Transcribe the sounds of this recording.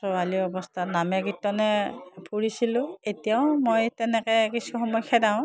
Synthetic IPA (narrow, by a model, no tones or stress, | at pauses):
sɔaliɔbɔstʰatnamɛɡitːɔnɛpuɹisilʊ̃etijaʊmojtɛnɛkɛkisuxɔmɔjxʰɛdaʊ̃